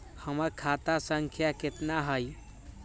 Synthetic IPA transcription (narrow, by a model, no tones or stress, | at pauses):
həməɾkʰat̪asəŋkʰjaket̪naɦəj